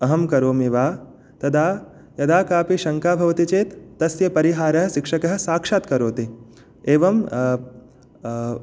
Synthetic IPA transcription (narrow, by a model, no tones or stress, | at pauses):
ɐɦɐmkɐɾoːmiʋaː | t̪ɐd̪aː | jɐd̪aːkaːpiʃɐŋkaːbʱɐʋɐt̪it͡ʃeːt̪ːɐsjɐpɐɾiɦaːɾɐɦɐ̆ʃikʂɐkɐɦɐ̆saːkʂaːt̪kɐɾoːt̪e | eːʋɐm